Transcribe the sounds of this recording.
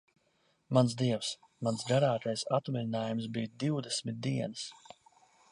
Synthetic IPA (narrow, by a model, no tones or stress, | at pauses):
mansd̪iɛws | mansɡaɾaːt̪ajsat̪mʲiɾinaːjumsbiːd̪iwd̪ɛsmʲit̪̚d̪iɛnɨs